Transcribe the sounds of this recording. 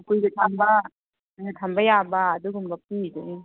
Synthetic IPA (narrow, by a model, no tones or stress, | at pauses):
kujɡetʰamba | netʰambajabaːduɡumbɐpide